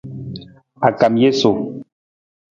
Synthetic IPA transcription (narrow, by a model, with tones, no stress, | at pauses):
a˨ka˨mje˦so˨